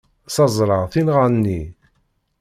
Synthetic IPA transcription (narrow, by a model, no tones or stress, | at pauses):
sɑzˤɾˤɑʁθinʁanːi